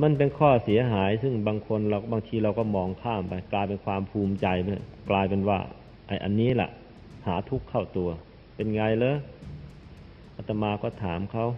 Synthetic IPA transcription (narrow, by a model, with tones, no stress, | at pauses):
ma˧˥˨npe˧˨nkʰɔː˧˩si˨˦ɐɦaː˩˦jsɯ˧˩ŋbaː˧ŋkʰo˧˥nla˧˩wbaː˧ŋt̪ʰiː˧ɾa˧wkɔː˧˩mɔː˧ŋkʰaː˧˥˩mpa˨jklaː˧jpe˨˧nkʰwaː˧mpʰuː˧˩mt͡ɕa˧jm˧˨klaː˧jpe˨nwa̰ː˧˩ | ʔa̰˨˧˩jʔa̰˨nːiː˦˥˨la̰˧ʔ | haː˨˩˦t̪ʰu˦˥kʰːa˧˩wt̪u˨˩ɐ | pe˨nŋaː˧jlɤː˧˨ | ʔa˧˩t̪ʰːa˧maː˧kɔː˧˩t̪ʰaː˨˩˦mkʰa˧˩˨w